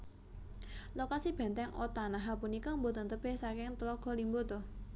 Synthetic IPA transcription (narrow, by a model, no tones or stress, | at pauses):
lokasib̥ɛ̤nt̪ɛŋʔot̪anaɦapunikɔmbot̪ənt̪əb̥esakɪŋt̪əlɔɡ̥ɔ̤limbot̪ʊh